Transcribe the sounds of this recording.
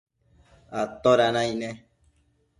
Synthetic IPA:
at̪ɔɾanãinɛ̃

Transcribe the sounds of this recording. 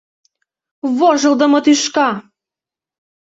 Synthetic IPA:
βoʒɤ̆lˠd̪ɤ̆mɤ̆t̪yʃkɑ

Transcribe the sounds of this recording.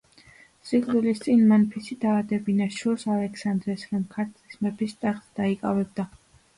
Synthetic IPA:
sikʼlulist̪sʼinmanpʰisid̪aːd̪ɛbinaʃuɾsalɛkʰsand̪ɾɛsɾɔmkʰaɾt̪ʰʼlismɛpʰist̪ʼɛχsd̪̥aikʼa̰vɛb̚d̪a

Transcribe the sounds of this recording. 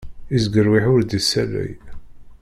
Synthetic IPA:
izɡəɾwiħʊɾd̪isælːæ̰j

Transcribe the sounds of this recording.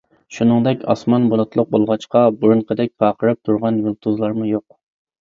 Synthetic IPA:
ʃunɨŋd̪ɛkʲɑ̰smɑnbolˠɨt̪ʰlˠʊq̚bolˠʁɑt͡ʃqɑbuɾunqʰəd̪ɛk̚ʲqʰɑːqʰəɾɨp̚t̪ʰuɾʁɑnjulˠt̪ʰuzlˠɑɾmujoq̚

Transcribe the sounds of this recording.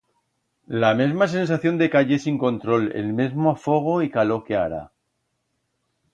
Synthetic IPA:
lame̞zmas̬e̞ns̬aθjo̞nd̪e̞kaʎe̞siŋko̞nt̪ɾo̞lḛlmezmoafo̞ɣ̞o̞ikalo̞ke̞aɾa̰

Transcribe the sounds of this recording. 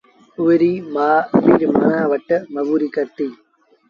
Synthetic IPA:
ʊʋɐɾimaːpiːɾmɐnaːʋɐʈːɐmɐɣuːɾikɐɾt̪i

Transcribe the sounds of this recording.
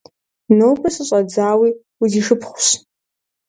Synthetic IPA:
nowbʰɐsɨɕʷʼad͡zaːwi | wiziʂɨpʰχʷʊs

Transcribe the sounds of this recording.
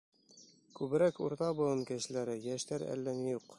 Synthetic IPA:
kʉβɘ̆ɾækṵɾt̪ɑbɤ̆lˠɤnkæ̆ɕɘ̆læɾɘjæʃt̪æɾæ̰lːænijuq

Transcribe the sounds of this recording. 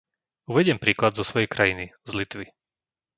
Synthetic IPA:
uʋɛɟɪɛmpɾiːklad̪zɔsʋɔjɛjkɾajinizlit̪ʋi

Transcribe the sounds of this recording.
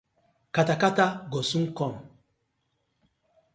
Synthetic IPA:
katakataɡosukɔm

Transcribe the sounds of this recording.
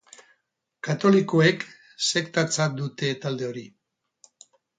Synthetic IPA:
kat̪o̞liko̞ek | se̞kt̪at͡sad̪ut̪e̞t̪ald̪e̞o̞ɾi

